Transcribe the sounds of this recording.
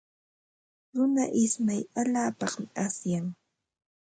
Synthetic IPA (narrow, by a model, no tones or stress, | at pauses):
ɾʊnaʔɪsmajaʎaːpɑχmɪʔasjaŋ